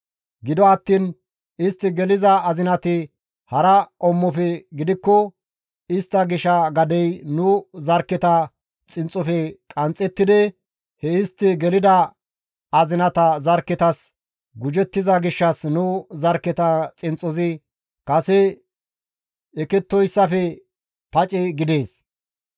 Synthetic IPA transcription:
ɡɪd̪ɔɐt̪ːiːn | ɪst̪ːɪɡɛlɪzɐːzɪnɐt̪ɪ | hɐɾɐʔɔmːɔfɛɡɪd̪ɪkːɔ | ɪst̪ːɐɡɪʃːɐɡɐd̪ɛjnʊzɐɾkːɛt̪ɐ | t͡sʼɪnt͡sʼːɔfɛkʼɐnt͡sʼːɛt̪ːɪd̪ɛ | hɛɪst̪ːɪɡɛlɪd̪ɐ | ɐzɪnɐt̪ɐzɐɾkːɛt̪ɐs | ɡʊd͡ʒɛt̪ːɪzɐɡɪʃːɐsnʊzɐɾkːɛt̪ɐt͡sʼɪnt͡sʼɔzɪ | kʼɐsɛ | ɛkɛt̪ːɔjsːɐfɛ | pɐt͡ʃʼɛɡɪd̪e̞ːs

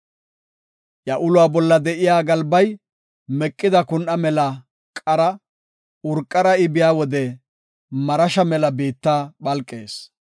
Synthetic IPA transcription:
jɐʔʊlʊaːbɔlːɐd̪ɛʔɪjaːɡɐlbɐj | mɛkʼːɪd̪ɐkʊnʔɐmɛlɐ | kʼɐɾɐ | ʊɾkʼːɐɾɐɪbɪjaːwɔd̪ɛ | mɐɾɐʃɐmɛlɐbiːt̪ːaːɓɐlkʼːe̞ːs

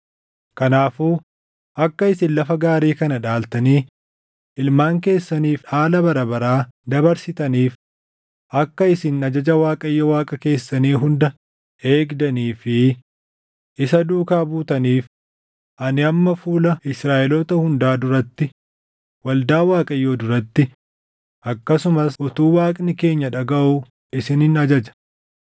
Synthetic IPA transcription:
kɐnaːfuː | ʔɐkːɐɪsɪnlɐfɐɡaːɾeːkɐnɐᶑaːlt̪ɐniː | ʔɪlmaːŋke̞ːsːɐniːfaːlɐbɐɾɐbɐɾaːd̪ɐbɐɾsɪt̪ɐniːf | ʔɐkːɐɪsɪnɐd͡ʒɐd͡ʒɐwaːkʼɐjːɐwaːkʼɐke̞ːsːɐniːɦʊnd̪ɐ | e̞ːɡd̪ɐniːfɪ | ɪsɐd̪uːkaːbuːt̪ɐniːf | ʔɐnɪɐmːɐfuːlɐɪsɾaːʔɛloːt̪ɐhʊnd̪aːd̪ʊɾɐt̪ːɪ | wɐld̪aːwaːkʼɐjːoːd̪ʊɾɐt̪ːɪ | ʔɐkːɐsʊmɐsʔɔt̪uːwaːkʼnɪke̞ːɲːɐᶑɐɡɐʔu | ɪsɪnɪnɐd͡ʒɐd͡ʒɐ̥

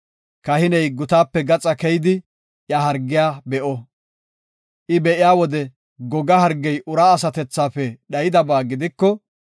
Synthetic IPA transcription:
kɐhɪnɛjɡʊt̪aːpːɛɡɐt͡sʼɐkɛjɪd̪ɪ | ʔjɐɦɐɾɡːɪjaːbɛʔɔ | ʔɪbɛʔɪjaːwɔd̪ɛ | ɡɔɡɐhɐɾɡːɛjʔʊɾaːɐsɐt̪ɛt͡sːaːfɛɗɐjɪd̪ɐbaːɡɪd̪ɪkːɔ

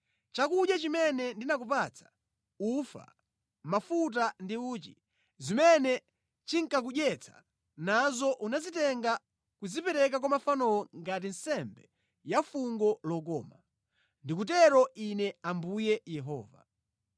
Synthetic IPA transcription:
t͡ʃakuɗjat͡ʃimɛnɛndinak̬up̬at͡sʰḁ | ufa̰ | mafut̬andiuːt͡ʃi | zimɛnɛ | t͡ʃiŋ̩kak̬uɗjɛt͡sʰḁ̰ | nazɔʔunazitɛŋɡa | kuzipɛɾɛk̬akwamafanɔɔŋɡat̬in̩sɛmbɛ | jafuŋɡɔlɔk̬ɔ̰ːma | ndikut̬ɛɾɔʔinɛambujɛjɛɦɔ̰ːva

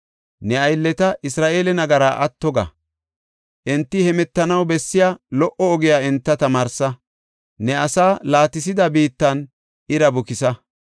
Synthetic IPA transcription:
nɛɐjlːɛt̪ɐʔɪsɾaːʔeːlɛnɐɡɐɾaːʔɐt̪ːɔɡɐ̰ | ʔɛnt̪ːɪhɛmɛt̪ːɐnɐwbɛsːɪjaːlɔʔɔːɡɪjaːɛnt̪ːɐt̪ɐmaːɾsɐ | nɛɐsaːlaːt̪ɪs̬ɪd̪ɐbiːt̪ːɐn | ɪɾɐbʊkɪsɐ

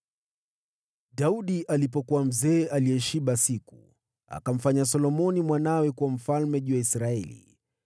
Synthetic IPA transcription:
ɗauɗiʔalip̬ɔkuwam̩zɛːʔaliɛʃiɓasiku | a̰kam̩faɲas̬ɔlɔmɔnimwanawɛkuwam̩falmɛʄuwaisɾaɛ̰lḭ

